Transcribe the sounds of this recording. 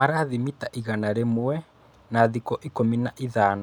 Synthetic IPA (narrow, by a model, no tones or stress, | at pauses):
maɾaðimitaʔiɣanaɾemwwɛ | naðikɔʔikominaʔiðaːna